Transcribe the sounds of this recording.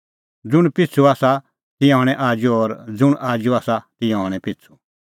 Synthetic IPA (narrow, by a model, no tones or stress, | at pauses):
d͡zʊɽ̃pɪt͡sʰuaːsa | t̪ɪ̃jãɦɔɽ̃ɛ̃ʔaːd͡ʒuɔːɾd͡zʊɽ̃aːd͡ʒuaːsat̪ɪ̃jãɦɔɽ̃ɛpɪt͡sʰu̥